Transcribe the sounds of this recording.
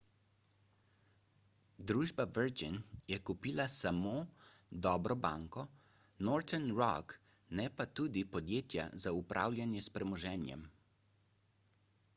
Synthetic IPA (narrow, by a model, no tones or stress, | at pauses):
d̪ɾuːʒbavəɾd͡ʒinjɛkupiːlasamoːd̪ɔːbɾɔbaːŋkɔ | nɔːɾt̪ɛnɾɔ̰knɛpat̪uːd̪ipɔd̪jeːt̪ja̰zaupɾʔa̰ːwlʲjanjɛspɾɛmɔʒɛːnjɛ̰m